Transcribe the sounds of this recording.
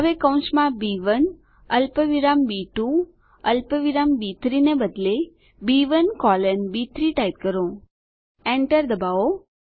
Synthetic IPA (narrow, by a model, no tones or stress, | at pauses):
ɦəʋekə̃w̃nsmãbiʋən | əlpəʋiɾambiʈu | əlpəʋiɾambit̪ʰɾinebəd̪le | biʋənkɔlənbit̪ʰɾiʈajt̪̚kəɾõ | ɛ̃ɳʈəɾd̪əbao